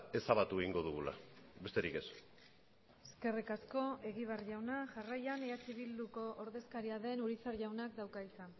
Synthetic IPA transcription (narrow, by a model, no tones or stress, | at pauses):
e̞saβat̪ueɣiŋɡo̞ðuɣula̰be̞st̪e̞ɾike̞s | eske̞rikasko̞e̞ɣiβ̞arʝawnaʝarajaneat͡ʃiβild̪uko̞ʔoɾðe̞skaɾiaðe̞nuɾisaɾʝawnak̚d̪awkaisan